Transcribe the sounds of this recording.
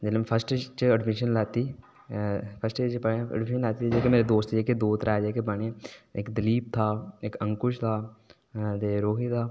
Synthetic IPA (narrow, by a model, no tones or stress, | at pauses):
d͡ʒeləmpʰəsʈet͡ʃəəɖmɪʃənlɛːt̪iː | pʰəsʈeːt͡ʃpəeə̰ɖmɪʃənlɛːt̪id͡ʒeːkemeːɾed̪oːst̪d͡ʒeːked̪oːt̪ɾaːd͡ʒeːkebəɳeːɪkd̪əliːp̚t̪ʰaːɪkə̃ŋkʊʃt̪ʰaː | t̪eːɾoːɦit̪ʰaː